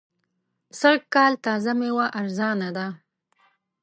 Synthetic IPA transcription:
səɾɡkɑlt̪ɑzamewaʔaɾzɑnad̪a

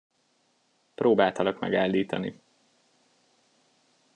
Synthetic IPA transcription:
proːbaːlt̪ɒlɒɡmɛ̰ɡaːlːiːt̪ɒ̰nḭ

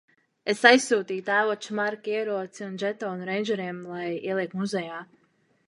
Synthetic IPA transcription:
esajsːuːt̪iːt̪aːvɔːt͡ʃumaɾkiɛɾuɔt̪siund͡ʒɛt̪ɔnɾɛjnd͡ʒɛɾiɛmlˠajḭɛlˠiɛkt̪muzɛjaː

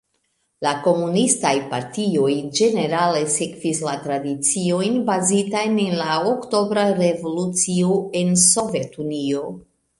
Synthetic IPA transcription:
lako̞munistajpaɾtio̞jd͡ʒe̞ne̞ɾale̞se̞kv̥islatɾadit͡sio̞jnbazitajne̞nlaokto̞bɾaɾe̞vo̞lut͡sioe̞nso̞ve̞tunio̞

